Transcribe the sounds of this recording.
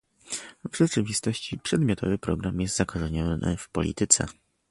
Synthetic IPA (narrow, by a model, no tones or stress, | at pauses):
vʐɛt͡ʂɘvʲist̪ɔɕt͡ɕipʂɛd̪mʲjɔt̪ʰɔvɘpɾɔɡɾamjɛst̪zakɔʐɛɲɔnɘ̰fpɔ̰lʲḭt̪ɘt̪sɛ̰